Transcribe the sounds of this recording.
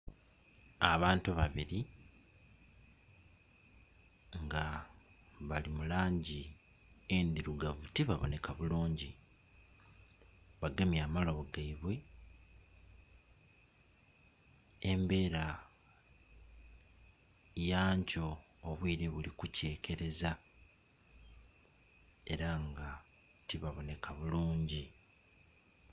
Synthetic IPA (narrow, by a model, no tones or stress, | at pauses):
aβaːntuβaβiɾi | ŋɡa | βalimulaːɲɟi | end̪iɾuɡavutiβaβo̞̰ne̞kaβuluːɲɟi | βaɡemjaːmalo̞βoɡaiβwe̞ | embe̞ːɾa | jaːɲco̞ː | βwiːɾe̞βulikuce̞ːkʰe̞ɾe̞za | e̞ɾaŋɡa | tiβaβo̞ne̞kʰaβuluːɲɟi